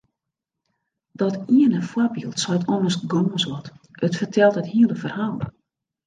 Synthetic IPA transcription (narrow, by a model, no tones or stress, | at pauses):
dɔtiənəfwɔbilˠtsɔjtɔnərsɡoːsʋɔt | ətfərtʰɛlˠtəthiəlˠəfərhaːlˠ